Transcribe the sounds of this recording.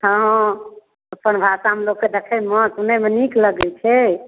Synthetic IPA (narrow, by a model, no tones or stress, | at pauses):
ɦə̃ | əpənbʱasaɦəmlokːed̪ekʰɛmət̪nəmenikləɡɛt͡ʃʰɛ